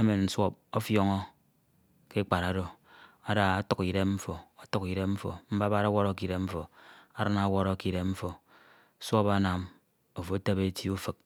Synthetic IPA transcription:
e˦me˨n̩˦swɔ˦p̚o˦fjɔ˦ŋɔ˦ | ke˦k͡pa˨ɾa˨do˨ | a˨da˨a˦tu˦ki˨ɾe˦mm̩˦fo˨a˨tu˦ki˨ɾe˦m̩˦fo̰˨m̩˦ba˦ba˦ɾa˦wɔ˦ɾo˦ki˨ɾe˦mm̩˦fo˨a˨ɾɨ˦na˦wɔ˦ɾo˦ki˨ɾe˨mɱ̩˦fo˨˦ | sʷɔ˦pa˦na˨m | o˨fo˨˦ta˦be˦ti˦u˦fɨ˨k̚

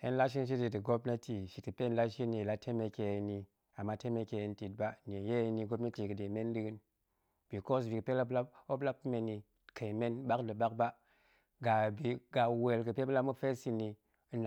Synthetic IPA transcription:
e˦nla˦ʃ̬i˦nʃ̬i˦ti˨tɨ˨ɡo˦pna˦ti˨ʃi˨tkɨ˨pe˦n˦la˦ʃi˦ni˨la˦tʰe˦me˧ke˨ni˨ | a˨mːa˦te˦me˧ke˨e˨˦nti˨t̚ba˦n˨e˨je˦ni˦ɡo˦pna˦ti˨kɨ˨de˨me˦ndɨ˦ɡɨ˦n | b̥i˨ko˦s̬vi˨kɨ˨pe˦la˦la˦o˦bla˦p̚me˨ni˨ | kʰe˨i˨me˦nba˦kdɨ˨ba˦k̚ba˦ | ɡa˨bi˨ɡa˨we˨lkɨ˨pe˦bə˦la˦mu˦fe˦si˦ni˨˦ | n˨

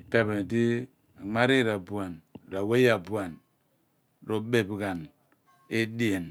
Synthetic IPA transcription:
ta˨be˨ti˦ | a˨ŋ͡ma˦ɾi˦˨ɾa˨bu˨a˨n˨ɾa˨we˦ja˨bu˨a˨n | ɾo˨be˨bɡa˨n | e˦di˦e˨n

